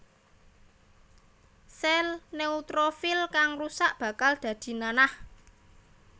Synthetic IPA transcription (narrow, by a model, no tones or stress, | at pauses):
sɛlneut̪ɾofɪlkaŋrusaʔb̥a̤kald̪̥ä̤d̪̥i̤nanah